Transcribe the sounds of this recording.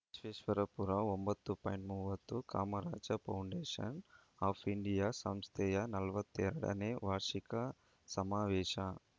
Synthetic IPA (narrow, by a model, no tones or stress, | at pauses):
sʋeːʃʋɐɾɐpuɾaːombɐt̪ːupɐ̰ːjɳʈmuːʋɐt̪ːuka̰ːmɐɾaːd͡ʒɐpɐwɳɖeːʂɐ̰n | aːpʰiɳɖijaːsɐmst̪ʰɛːjɐnɐlɐʋɐt̪ːeɾɐɽɐ̰neːʋaːɾʂikɐ | sɐmaːʋɛːʂɐ